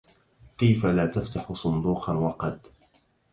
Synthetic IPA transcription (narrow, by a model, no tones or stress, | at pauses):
kajfalaːt̪aft̪aħʊsˤʊnd̪uːqɑnwɑqɑd̪